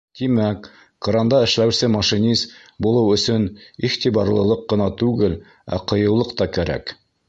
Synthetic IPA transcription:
t̪imæk | koɾɑnd̪ɑɘ̆ʃlæwsɘmɑʃinʲizbulˠɤwɵ̆sɵniχt̪iβɑɾlˠɤ̆lˠɤqːɤ̆nɑt̪ʉɡɘl | æ̰qɤ̆jɤ̆w̪lˠɤqt̪ɑkæɾæ̰k

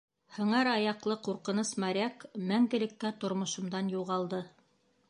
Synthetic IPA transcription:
hɤ̆ɴɑɾɑjɑqlˠɤquɾqɤ̆nɤsmɑɾʲækmæŋɡɘ̆lɘ̆kːæt̪ŏɾmŏʃŏmd̪ɑnjuʁɑlˠd̪ɤ

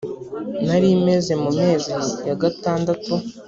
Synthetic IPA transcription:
naɾime̞ze̞mume̞ːzijaɡataːndatu

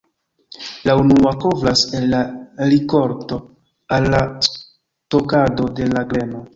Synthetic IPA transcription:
launuakovɾasenːaɾiko̞ɾto̞ | alːa | to̞kado̞de̞laɡɾe̞no̞

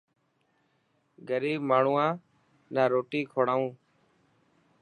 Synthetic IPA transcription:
ɡəɾiːbmaːɳ̤uːãː | naːɾoːʈiːkʰoːɽaːũː

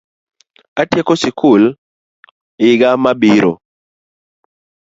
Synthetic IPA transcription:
atjekosɪkʰʊl | ɪɡamabiɾo̰

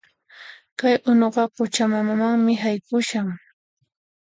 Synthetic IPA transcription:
kajʔʊnoɢɑpʊt͡ʃamamamaŋmɪɦajkʊʃaŋ

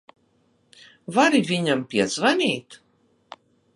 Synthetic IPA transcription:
vaɾivʲiɲampʲiɛzvanʲiːt̪

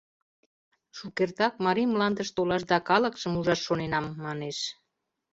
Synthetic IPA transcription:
ʃukert̪ɑk̚mɑɾimlɑnd̪əʃt̪olɑʃd̪ɑkɑləkʃəmuʒɑʃːonenɑmːɑneʃ

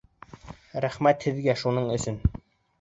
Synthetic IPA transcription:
ɾæχmæt̪hɘ̆ðɡæʃunɤɴɵ̆sɵn

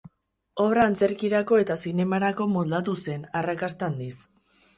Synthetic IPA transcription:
o̞β̞ɾaːnt͡se̞ɾkiɾako̞e̞t̪asine̞maɾako̞mo̞ld̪at̪use̞narakast̪and̪is

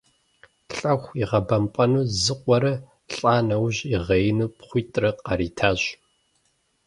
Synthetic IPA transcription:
ɬʼɐxʷiʁɐbɐmpʼɐnuːzɨqʷʼɔɾɐ | ɬʼaːnɐwʑiʁɐjɪnuːpχʷʊːtʼrɐqɑɾiːtʰaːʑ

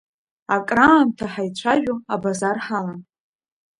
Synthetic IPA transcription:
akʼraːmtʰaħajt͡ɕʷʰaʒᶣuabazarħamm

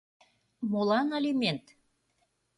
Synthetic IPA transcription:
molɑnelʲimʲent̪

